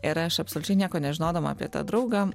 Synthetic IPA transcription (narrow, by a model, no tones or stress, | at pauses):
ɪɾɐʃɐpsolʲʊt͡ʃʲɛɪnʲiɛkoːnʲɛʒʲɪnoːd̪ɐʋɐa̰pʲiɛt̪ɑ̰ːd̪ɾɐʊɡɑː